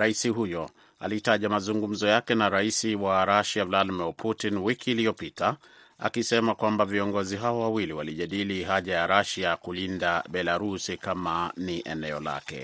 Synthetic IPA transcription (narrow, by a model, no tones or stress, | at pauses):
ɾaisiɦujɔ | a̰litaʄamazuŋɡum̩zɔjakɛnaɾaisiwaɾaʃavladimiɾpʰutinwikiːliɔpita | a̰kisɛmakwambaviɔŋɡɔziɦaɔwawiliwaliʄaɗiliɦaʄajaɾaʃakulindaɓɛlaɾusikamaniʔɛnɛɔla̰kɛ̰